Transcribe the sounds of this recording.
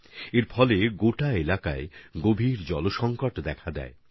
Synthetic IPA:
eɾfʰɔleɡoʈaelakaeɡobʱiɾd͡ʑɔloʃɔŋkaʈd̪ɛkʰad̪ɛ̰e

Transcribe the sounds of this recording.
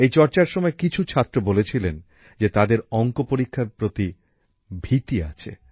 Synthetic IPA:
ejt͡ɕɔɾt͡ɕaɾʃɔmɔekit͡ɕʰut͡ɕʰat̪ːɾobolet͡ɕʰilen | d͡ʑet̪ad̪eɾɔŋkopoɾikʰːapɾot̪i | bʱit̪ia̰t͡ɕʰḛ

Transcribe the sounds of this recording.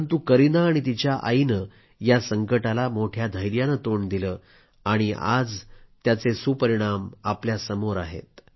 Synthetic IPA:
nt̪̬ukəɾinaːɽ̃it̪̬it͡ɕjaʔa̰jnə | jasəŋkəʈalamoʈʰjad̪ʱəjɾjanət̪oɳd̪iləː | aɽ̃ia̰d͡zt̪jat͡sesuːpəɾiɽ̃amapljasəmoɾaɦḛt̪

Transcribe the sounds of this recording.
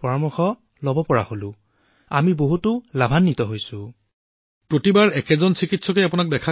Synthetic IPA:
pɔɹɔmɔxɔ | lɔbɔpɔɹa̰holʊ̃ | amiboɦutʊlabʱanːitɔɦojsʊ̃ | pɹotibaɹɛkɛzɔnsikitsʰɔkɛapʊnak̚dɛkʰa

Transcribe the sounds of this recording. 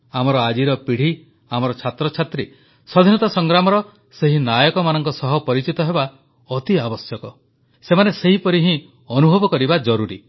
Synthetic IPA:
amɔɾɔad͡ʒiɾɔpiɽ̤i | amɔɾɔt͡ʃʰat̪ɾɔt͡ʃʰat̪ɾi | sɔd̪ʱinɔt̪ɔsɔŋɡɾamɔɾɔ | seɦinajɔkɔmanɔŋkɔsɔɦɔpɔɾit͡ʃit̪ɔɦeba | ɔt̪iabɔsjɔkɔ | semaneseɦipɔɾiɦĩ | ɔnubʱɔbɔkɔɾibad͡ʒɔɾuɾḭ

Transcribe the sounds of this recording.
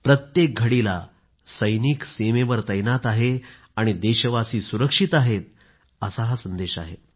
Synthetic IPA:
pɾət̪jek̚ɡʱəɽila̰ | səjniːksemeʋəɾt̪əjnat̪aɦe | aɽ̃id̪eɕəʋasiːsuɾəkʂit̪aɦet̪̚ | əsaɦasənd̪eɕa̰ɦe

